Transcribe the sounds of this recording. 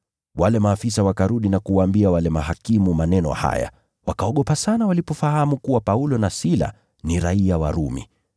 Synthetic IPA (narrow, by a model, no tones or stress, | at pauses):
walɛmaːfisawakaɾuɗinakuwaːmbiawalɛmaɦakimumanɛnɔ̰ha̰ja̰ | wakaɔɠɔpasanawalipɔfahamukuwapaulɔnasila̰ | niɾaiawa̰ɾumḭ